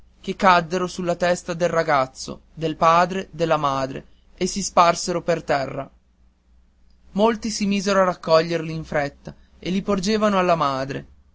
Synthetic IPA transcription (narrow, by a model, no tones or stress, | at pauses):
k̟ekːad̪ːeɾosulːat̪ɛst̪ad̪elrːaɡat̪sːo̰d̪elpaːd̪ɾed̪elːamaːd̪ɾḛ | esisparseɾopert̪ɛrːa | molt̪isimiːzeɾoarakːɔʎːerliːɱfɾɛt̪ːa | elːipord͡ʒeːvanoalːamaːd̪ɾḛ